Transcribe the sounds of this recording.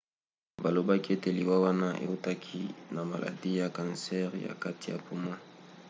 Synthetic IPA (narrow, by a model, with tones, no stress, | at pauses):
ba˨lo˨ba˦ki˦e˦te˨li˨wa˦wa˦na˦ʔḛ˨u˦ta˦kʰi˦na˨ma˨lʔa̰˨di˦ja˨kã˨nsɛ˦ʁja̰˨ka˦ti˨ja̰˨pu˦ma˦